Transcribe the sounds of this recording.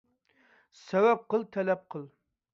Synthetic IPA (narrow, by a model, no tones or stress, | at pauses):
sɛwæp̚qəlˠt̪ʰɛlɛp̚qʰəlˠ